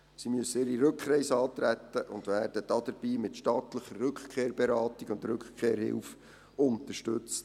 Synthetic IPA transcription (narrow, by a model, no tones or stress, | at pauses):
simøsːəɪːɾiɾɵkχɾɛɪsɑːt̪ɾæt̪ːəʔʊndʋæːrd̥əd̥ɑd̥̪əɾb̥iːmɪtʃtɑːt̪ləχərːɵkχkʰeːɾbeɾɑːtiɡʊntɾɵkχkʰːeːɾhɪ̰lf | ʊnt̪əʃtʏt͡st